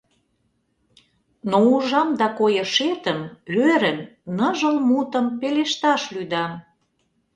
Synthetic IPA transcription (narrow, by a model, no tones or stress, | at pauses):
nouʒɑmd̪ɑkojəʃet̪əmøɾənnəʒəlmut̪əmpeleʃt̪ɑʃlyd̪ɑm